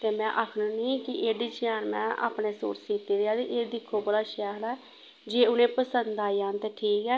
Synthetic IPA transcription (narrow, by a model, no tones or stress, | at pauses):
t̪eːmɛ̃ːʔaːkʰnũːnĩːkɪʔeːɖiːt͡ʃɪjaːnmɛ̰̃ːʔa̰ːpneːso̰ːɾt͡ʃsiːt̪iːɾɪaːd̪iʔeːd̪ɪkʰːoːbəɽaːʃɛːlɛː | d͡ʒeːʊnẽːpəsənd̪aːijãːnt̪eːʈʰiːkɛː